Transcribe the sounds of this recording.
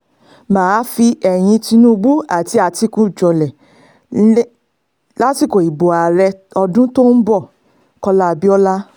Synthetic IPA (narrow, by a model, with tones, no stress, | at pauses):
mãː˨˦fi˧ɛ˨j̃ĩ˧ti˧nũ˦˧ɡ͡bu˦a˨ti˨˦a˧ti˨˧˦kũ˦˨d͡ʒɔ˨lɛ˨˦ | la˦ti˦˨ko˨i˨bo˨a˨ɾɛ˧ɔ˧dũ˦to˦n̩˦bɔ˦˨ | kɔ˧la˦˧bi˦ɔ˦la˦